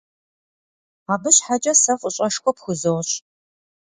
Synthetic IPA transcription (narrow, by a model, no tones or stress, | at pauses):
aːbɨɕħad͡ʒʼɐsɐfʼʊɕʼɐʂkʷɔpxʷʊzowɕ